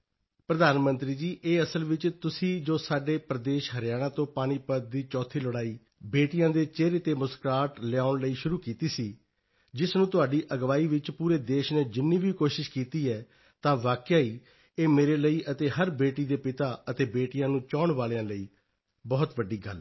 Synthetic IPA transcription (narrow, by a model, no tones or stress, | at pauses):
pɾəd̪aːnmə̃nt̪ɾiːd͡ʒiːʔeːəsəlʋɪt͡ʃt̪ʊsĩːd͡ʒoːsaːɖeːpɾəd̪eːʃɦəɾɪjaːɽ̃ãːt̪õːpaːɽ̃iːpəd̪̚d̪iːt͡ʃɔːt̪ʰiːləɽaːiː | beːʈɪjãːd̪eːt͡ʃeːɾeːt̪eːmʊskaːʈlɪjaːʊɳləiːʃʊɾuːkiːt̪iːsiː | d͡ʒɪsnũːt̪ʊaːɖiːʔəɡʋaːiːʋɪt͡ʃpuːɾeːd̪eːʃneːd͡ʒɪnːiːʋiːkoːʃɪʃkiːt̪iːɛː | t̪ãːʋaːkjaːiː | eːmeːɾeːləiːʔət̪eːɦəɾbeːʈiːd̪eːpɪt̪aːət̪eːbeːʈɪjãːnũːt͡ʃaːɳʋaːlejãːləiː | bɔːt̪ʋəɖːiːɡə̰l